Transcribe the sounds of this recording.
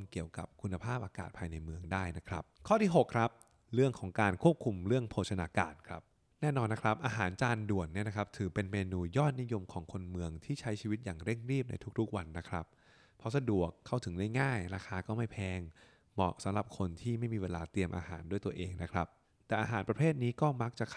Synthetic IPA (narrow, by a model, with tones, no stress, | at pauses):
nki˨˩əwka˨˩p̚kʰu˧nːa˧pʰaː˥˩p̚ʔaː˧ka̰ː˨˩t̪̚pʰaː˧jna˧jmɯ˧əŋdaː˥˩jna˦˥kʰɾa̰˦˥p̚kʰɔː˥˩t̪ʰiː˥˩ɦo˨˩kʰɾa˦˥p̚ | ɾɯ˥˩əŋkʰɔː˩˦ŋkaː˧nkʰu˥˩əp̚kʰu˧mɾɯ˥˩əŋpʰoː˧˩t̪̚sʰa˧naː˧ka̰ː˧nkʰɾa˦˥p̚ | nɛː˥˩nɔː˧nːa˦˥kʰɾa˦˥p̚ʔaː˧ɦaː˩˦nt͡ɕaː˧ndu˨˩ənːi˦˥˩na˦˥kʰɾa˦˥p̚t̪ʰɯː˩˦pe˧nmeː˧nuː˧jɔː˥˩t̪̚ni˦˥jo˧mkʰɔː˩˦ŋkʰo˧nmɯ˧əŋt̪ʰiː˥˩t͡ɕʰa˦˥jt͡ɕʰiː˧wi˦˥t̪̚jaː˨˩ŋɾe˥˩ŋɾiː˥˩p̚nʔa̰˧jt̪ʰu˦˥k̚t̪ʰu˦˥k̚wa˧nːa˦˥kʰɾa̰˦˥p̚ʰː | ɔ˦˥sa˧du˨˩əkʰːa˥˩wt̪ʰɯ˩˦ŋdaː˥˩jŋaː˥˩jɾaː˧xʰaː˧kɔː˥˩ma˥˩jpʰɛː˧ŋ | mɔ̰˨˩sa˨˩˦mɾa˨˩p̚kʰo˧nt̪ʰiː˥˩ma˥˩jmiː˧weː˧laː˧t̪i˧əmʔa̰ː˧haː˩˦ndu˥˩jt̪u˧əʔeː˧ŋna˦˥kʰɾa˦˥p̚ | t̪ɛː˨˩ʔaː˧ɦaː˩˦npɾa˧pʰeː˥˩t̪̚niː˦˥kɔː˥˩ma˦˥k̚t͡ɕa˨˩kʰ